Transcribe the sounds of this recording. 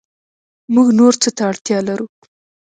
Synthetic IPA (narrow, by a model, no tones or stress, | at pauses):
muɡnoɾt͡sət̪aːɽt̪jɑlaɾu